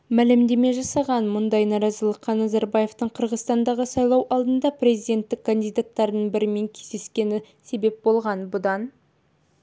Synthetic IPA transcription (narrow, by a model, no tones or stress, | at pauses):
mælɪmd̪e̞me̞ʒɑsɑʁɑnmʊnd̪ɑjnɑɾɑzəlˠəqːɑnɑzɑɾbɑje̞ft̪əɴqʰəɾʁəzst̪ɑnd̪ɑʁəsɑjlˠɑwʔɑlˠd̪ənd̪ɑprʲe̞zijd̪e̞nt̪ːɪkʰːand̪ijd̪at̪ːɑɾd̪əɴbɪɾɪme̞ŋkʲʰe̞zd̪e̞skʲe̞nɪ | se̞be̞p̚bo̞lˠʁɑnbʊd̪ɑn